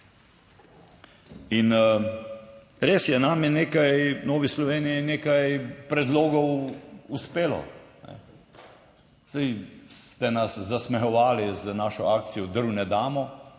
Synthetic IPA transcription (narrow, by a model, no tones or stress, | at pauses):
in | ɾeːsjɛnamjɛneːkajnɔːʋislɔʋeːniineːkajpɾɛd̪loːɡɔwuspeːlɔ̰nɛ̰ | z̥d̪ajst̪ɛnaszasmɛxɔʋaːlizənaʃɔaːk̚t̪t͡s̪ijɔd̪əɾwnɛd̪aːmɔ